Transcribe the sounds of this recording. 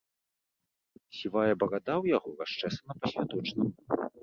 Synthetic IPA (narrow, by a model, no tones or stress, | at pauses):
sʲivajɐbɐɣad̪awjaɣɔraʂt͡ʂɛsɐnɐpɐsʲvʲad̪ɔt͡ʂnɐm